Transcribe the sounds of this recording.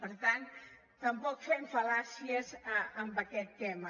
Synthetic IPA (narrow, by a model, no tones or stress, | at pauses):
pəɾt̪ant̪ː | əmpɔkfɛmfɐlasiəzəmbəkɛt̪ːɛmə